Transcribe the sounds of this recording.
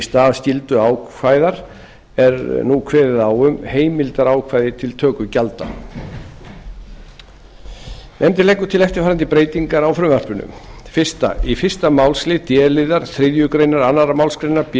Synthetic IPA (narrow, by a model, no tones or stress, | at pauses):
st̪aːðscɪlt̪ʏaːwkʰvajðaɾ | ɛɾnukʰvɛːðɪðawʏmheːjmɪlt̪aɾaːwkʰvajðɪt̪ʰɪlt̪ʰœːkʏcalt̪a̰ | nɛmt̪ɪlɛjkːʏt̪ʰɪlɛft̪ɪfaːɾɛnt̪ɪpɾeːjt̪iŋkaɾawfɾʏmvar̥pʏnʏ̰mfɪr̥st̪a̰ifɪr̥st̪amaːwlslɪt̪jɛːlɪðaɾ̥θɾɪðjʏkɾejnaɾanːaɾamawlskɾejnaɾp